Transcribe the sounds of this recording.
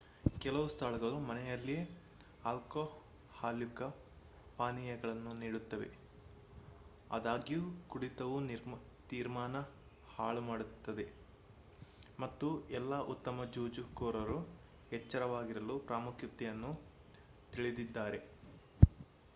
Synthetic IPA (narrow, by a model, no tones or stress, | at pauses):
kɛlɐʋust̪ʰaːɭɐɡɐɭumɐnɛjɐlːije | aːlko | haːljukɐ | paːnijɐɡɐɭɐnːuniːɽut̪ːɐʋe̞̰ | ɐ̰d̪aːɡijukuɽit̪ɐʋuniɾ | t̪iːɾmaːnɐ | haːɭumaːɽut̪ːɐd̪e̞ | mɐt̪ːuɛlːaʔut̪ːɐmɐd͡ʒuːd͡ʒukoːɾɐɾu | ɛt͡ʃːɐɾɐʋaːɡiɾɐlupɾaːmukʰjit̪ːɛjɐnːu | t̪iɭid̪id̪ːaːɾe̞